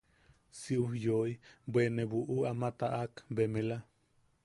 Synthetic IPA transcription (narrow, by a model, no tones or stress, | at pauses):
siʔuhjojbweneβuʔuamat̪aʔakbemela